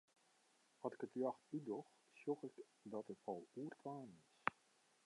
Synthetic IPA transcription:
ɔtɪ̥kətyaxtydɔx | sjɔxɪk | dɔtətfɔlˠuərtʰʋaːnɪs

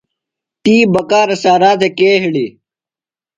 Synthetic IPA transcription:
t̪iːbɐkaːɾɐsaːɾaːt̪ekeːɦiɽi

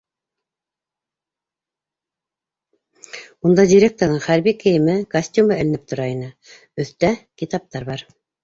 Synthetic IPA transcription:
und̪ɑdʲiɾʲek̚t̪oɾðɤɴχæɾβikɘ̆jɘ̆mɘkɐsʲtʲumɤɘ̆lɘ̆nɘp̚t̪ʰŏɾɑinɘ | ɵ̆θt̪ækʲit̪ɑp̚t̪ɑɾβɑɾ

